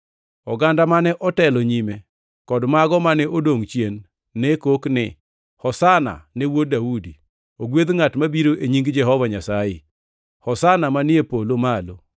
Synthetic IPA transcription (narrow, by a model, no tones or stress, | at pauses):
ɔɡandamanɛʔɔtɛlɔɲime | kɔdmaɡɔmanɛʔodoŋt͡ʃjenː | ɛkoknɪ | hɔsana̰nɛwodaudi | oɡwed̪ŋatmabiɾoʔeɲiŋɡd͡ʒɛɦɔvaɲasaje | hɔsanamanɪepolomalo